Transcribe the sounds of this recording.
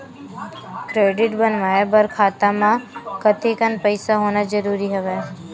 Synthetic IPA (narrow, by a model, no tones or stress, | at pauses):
kɾeɖɪʈbənʋaebəɾkʰaːt̪amãkət̪ʰikənpəjsaɦoːnad͡ʒəɾuɾiɦəʋe